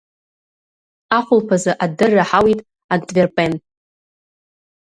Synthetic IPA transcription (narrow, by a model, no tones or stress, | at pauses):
aχʷʊlpʰazɨʔadɨrːaħawitʼ | antʼverpʼenʼ